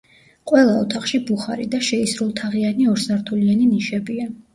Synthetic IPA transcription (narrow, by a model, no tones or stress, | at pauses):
qʼwɛlˠaɔt̪ʰaχʃibuχaɾḭd̪aʃɛisɾulˠt̪ʰaʁianiɔɾsaɾt̪ʰulianiniʃɛbia